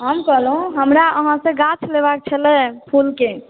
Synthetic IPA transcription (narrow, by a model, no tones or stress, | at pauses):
ɦəmkəlõɦəmɾaəɦãsẽɡat͡ʃʰleβak̚t͡ʃʰəlɛ̃pʰulke